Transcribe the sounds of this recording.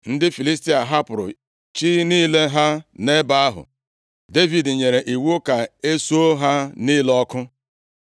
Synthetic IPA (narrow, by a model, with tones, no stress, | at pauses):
n̩˦dɪ˦fi˨li˦sti˦a˨ɦa˦pʊ˨ɾʊ̰˨ | t͡ʃi˦niː˦le˦ɦa˦ne˦ba˦a˦ɦʊ̰˨ | de˦vi˨dɲe˨ɾe˨ʔi˨wo˦ka˨e˦so˦ɦa˦niː˦lɔ˦kʊ˦